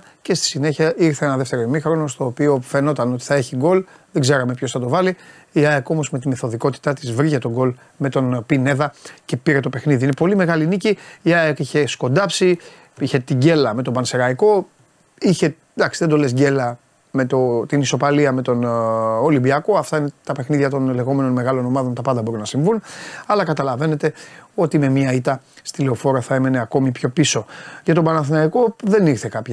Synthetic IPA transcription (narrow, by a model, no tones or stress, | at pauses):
ce̞st̪i̥sine̞çɐʔiɾθeenɐðeft̪e̞ɾoimixɾo̞nost̪o̞ːpio̞fe̞no̞t̪ɐno̞t̪i̥θɐe̞çiɡo̞l | ðeɡze̞ɾɐme̞pço̞sθɐt̪o̞vɐli | iaeko̞mo̞zmet̪imeθo̞ðiko̞t̪i̥t̪ɐt̪izvɾiʝet̪o̞ɡo̞l | me̞t̪o̞npine̞ðɐce̞piɾe̞t̪ope̞xniðiine̞po̞lime̞ɣɐliniciːɐekiçe̞sko̞nd̪ɐpsi | içe̞t̪iɟe̞lɐme̞t̪o̞bɐnseɾɐiko̞ | içe̞ | d̪ɐksiðed̪o̞le̞sɟe̞lɐ | me̞t̪ot̪iniso̞pɐliɐme̞t̪o̞nolimbiɐko̞ɐft̪ɐine̞t̪ɐpe̞xniðʝɐt̪o̞nle̞ɣo̞me̞no̞nme̞ɣɐlo̞no̞mɐðo̞nt̪ɐpɐnd̪ɐbo̞ɾunɐsiɱvunɐlɐkɐt̪ɐlɐve̞ne̞t̪e̞o̞t̪ime̞miɐit̪ɐ | st̪ile̞o̞fo̞ɾɐθɐe̞mene̞ɐko̞mipço̞piso̞ʝɐt̪o̞bɐnɐθinɐiko̞ðe̞niɾθekɐp